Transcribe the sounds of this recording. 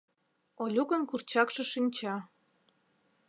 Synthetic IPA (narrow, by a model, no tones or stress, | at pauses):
olʲuɣə̆nkurt͡ɕɑkʃĕʃinʲt͡ɕɑ